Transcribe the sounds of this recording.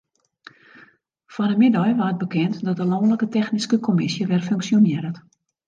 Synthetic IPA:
fɔnəmɪdɔjʋaət̚bəkɛntdɔt̚dəlɔːnləkətɛxniskəkʰomɪsjəʋɛrføŋksjonɪɾət

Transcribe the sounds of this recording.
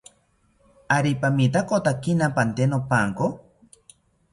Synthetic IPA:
aɾipamit̪akot̪akinapant̪enopaŋko

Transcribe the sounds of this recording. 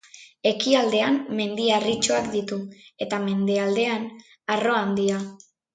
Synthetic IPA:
e̞kiald̪e̞amːe̞nd̪iarit͡ʃo̞akd̪it̪ue̞t̪ame̞nd̪e̞ald̪e̞an | aro̞and̪ia

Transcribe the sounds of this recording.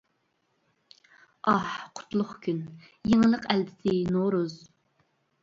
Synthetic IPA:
ɑhqʰʊ̥t̪lˠʊχkʲʰyn | jeŋlˠəqæld̪ɪsɪnoɾuz

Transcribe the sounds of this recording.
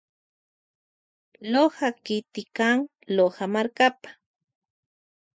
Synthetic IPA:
lohakɪt̪ɪkaŋ | lohamaɾkapḁ

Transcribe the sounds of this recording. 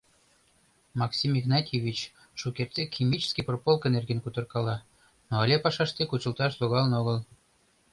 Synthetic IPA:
mɑksʲimiɣnɑt̪ʲevʲit͡ɕ | ʃukert̪ːekʲimʲit͡ɕskipropolˠkenerɡenkut̪ɤ̆rkɑlɑ | noɑlʲepɑʃɑʃt̪ekut͡ɕəlt̪ɑʃloɣɑlnoɣəl

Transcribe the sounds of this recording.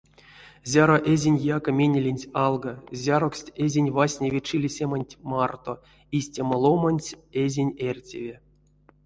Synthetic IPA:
zʲaɾoʔezʲinʲjakamʲenʲelʲenʲtʲɑlˠɡazʲaɾoksʲtʲezʲinʲvasʲnʲevʲet͡ʃilʲisʲemanʲtʲmɑrt̪o | isʲtʲaməlˠomanʲtʲezʲinʲerʲtʲḛvʲe

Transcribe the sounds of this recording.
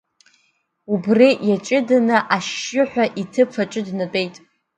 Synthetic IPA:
ubrijat͡ʃʼɪdanɨʔaʃɪħʷᶣaʔitʰɨpʰaʈ͡ʂʼɨdnat͡pʼe̞jtʼ

